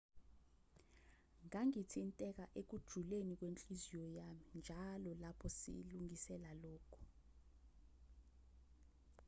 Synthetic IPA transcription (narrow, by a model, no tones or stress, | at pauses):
ŋaŋitʰintʼɛk̬aʔek̬ud̥ʒ̥ʱulenik̬went͡ɬʼizijɔjamind͡ʒʱalɔlapʰɔsḭluŋisɛlalɔːkʰu̥